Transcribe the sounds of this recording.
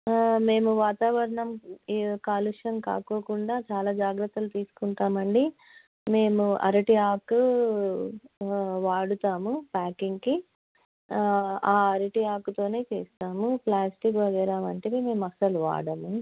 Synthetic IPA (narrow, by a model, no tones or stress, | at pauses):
me̞ːmuʋaːt̪aːʋɐɾɐɳɐmkaːluʂɐnka̰ːko̞ːkuɳɖaːt͡ʃaːlaːd͡ʒaːɡɾɐt̪ːɐlut̪iːsu̥kuɳʈaːmɐɳɖi | me̞ːmuʔɐ̰ɾɐʈiaːkːu | ʋaːɽut̪aːmupaːkiŋɡki | aːɐɾiʈiaːkːut̪o̞ːne̞ːt͡ʃḛːst̪aːmuplaːsʈik̬ʋɐɡɛːɾaːmɐɳʈeːime̞ːmɐsɐluʋa̰ːɽɐmu